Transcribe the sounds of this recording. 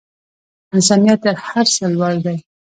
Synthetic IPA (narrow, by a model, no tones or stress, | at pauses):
ɪns̬ɑnijat̪̚ːəɾhaɾsəlwɑld̪aj